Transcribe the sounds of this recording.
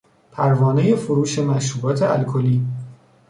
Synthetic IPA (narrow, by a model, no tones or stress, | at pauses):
pʰæɾvɒːneje̞foɾuːʃe̞mæʃuːbɒːt̪ʰe̞ʔælkʰoliː